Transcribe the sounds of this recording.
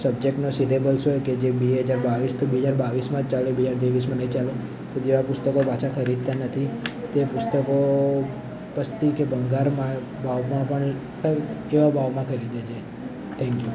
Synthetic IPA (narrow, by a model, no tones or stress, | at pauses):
səb̚d͡ʒek̚ʈnosidebəlsoeked͡ʒebeɦəd͡ʒaɾbaʋist̪ʰobeɦəd͡ʒaɾbaʋismãd͡ʒt͡ʃalebeɦd͡ʒaɾt̪eʋis̬mãnəɦĩt͡ʃale | t̪od͡ʒeʋapʊst̪əkopat͡ʃʰakʰəɾid̪̚t̪anət̪ʰit̪epʊst̪əko | pəst̪ikebəŋɡaɾmã | bʱaʋmãpəɳ | eʋabʱaʋmãkʰəɾid̪et͡ʃʰe | t̪ʰɛ̃ŋkju